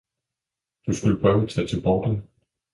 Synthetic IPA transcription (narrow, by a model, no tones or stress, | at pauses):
d̥usɡ̥uləpʰʁœːʊæt͡sʰæt͡sʰe̝lb̥ɒːd̥ən